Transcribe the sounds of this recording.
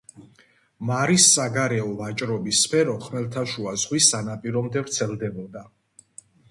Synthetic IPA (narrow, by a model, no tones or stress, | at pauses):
maɾisːaɡaɾɛɔvat͡ʃʼɾɔbisːpʰɛɾɔχmɛlˠt̪ʰaʃuazʁwisanapʼiɾɔmd̪ɛvɾt̪sʰɛlˠd̪ɛbɔd̪a